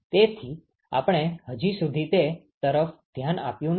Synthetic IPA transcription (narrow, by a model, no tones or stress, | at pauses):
t̪et̪ʰi | a̰pɽ̃eɦəd͡ʒisud̪ʱit̪et̪əɾəfd̪̥ʱjana̰pjũn